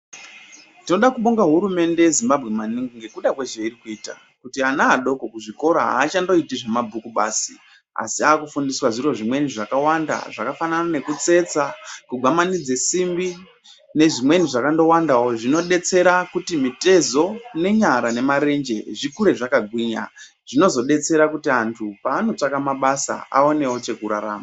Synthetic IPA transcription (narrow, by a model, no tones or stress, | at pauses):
tino̞ɗakuɓoŋɡaɦuɾume̞nde̞jezimbabʱɣe̞maniŋɡiŋɡe̞kuɗakwe̞ʒeirikuiːta̰ | kutianaːɗo̞ko̞kuʐiko̞ɾaɦa̰ːt͡ʃando̞itiʐe̞mabʱukuɓa̰ːsi | a̰siaːkufundiswaʐiro̞ʐimwe̞niʐakawanda̰ʐakafananane̞kut͡se̞t͡sakuɡʱwamanid͡ze̞simbi | ne̞ʐimwe̞niʐakando̞wandawoʐino̞ɗe̞t͡se̞ɾakutimite̞zo̞ne̞ɲaɾane̞maɾe̞nd͡ʒe̞ʐikuɾe̞ʐakaɡʱwiːɲa̰ | ʐ̥ino̞zo̞ɗe̞t͡se̞ɾakutiantʰupaːno̞t͡ʂakamaɓasa̰a̰o̞ne̞wo̞t͡ʃe̞kuɾaɾa̰ːma